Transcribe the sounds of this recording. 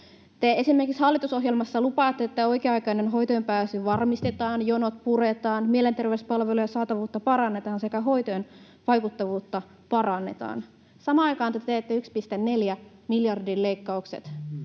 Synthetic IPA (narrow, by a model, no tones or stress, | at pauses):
t̪eesimːe̞rkikshɑlːˑit̪uso̞ɦjelmɑsːɑlupɑːt̪ːeet̪ːæo̞jkeɑɑjkɑinenɦojt̪ojempæːsyʋɑrmist̪et̪ɑːnjonot̪̚puret̪ɑːnmielent̪e̞rʋeyspɑlʋelujɑsɑːt̪ɑʋuːt̪ːɑpɑɾɑnːe̞t̪ɑːnse̞kæɦo̞jt̪ojen | ʋɑjkut̪ːɑʋuːt̪ːɑ | pɑrɑnːe̞̰t̪ɑ̰ːn | sɑmɑːɑjkɑːnt̪æt̪t̪eet̪ːæykspist̪enne̞ljæmiljɑrdillejkːɑuksḛt̪